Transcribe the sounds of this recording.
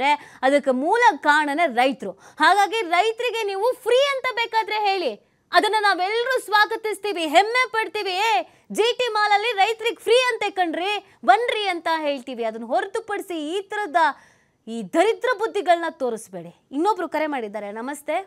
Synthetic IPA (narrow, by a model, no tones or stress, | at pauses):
ɾeɐd̪ɐkːemuːlɐkaːɳɐneɾɐjt̪ɾu | haːɡaːɡiɾɐjt̪ɾiɡe̞niːʋupʰɾiːɐnt̪ɐbeːkaːd̪ɾe̞ɦe̞ːɭi | ɐd̪ɐnːɐnaːʋɛlːɐɾuːsʋaːɡɐt̪ist̪iːʋiɦeɛmːe̞pɐɽt̪iːʋiː | d͡ʒiːʈimaːlɐlːiɾɐjt̪ɾiɡpʰɾiːɐnt̪ekɐɳɖɾi | bɐɳɾiɐnt̪ɐɦe̞ːɭt̪iːʋiɐd̪ɐnːɐɦoɾt̪upɐɽsiːt̪ɐɾɐd̪ɐ | iːd̪ʱɐɾit̪ɾɐbud̪ʱːiɡɐɭnɐt̪o̞ːɾisbeːɽi | inːobɾukɐɾe̞maːɽid̪ːaːɾenɐmɐst̪e̞